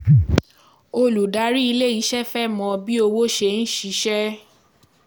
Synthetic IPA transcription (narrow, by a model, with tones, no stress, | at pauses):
o˧lu˨da˨˦ɾi˦i˧le˦˨i˨˦ʃɛ˦fɛ˦mɔ̃˧bi˦o˧wo˦ʃe˧˦n̩˦ʃi˨˦ʃɛ˦